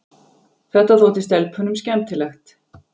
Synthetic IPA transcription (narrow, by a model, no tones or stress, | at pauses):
θɛht̪aθɔːt̪ɪst̪ɛlpʰʏnʏmscɛmt̪ɪlɛxt̪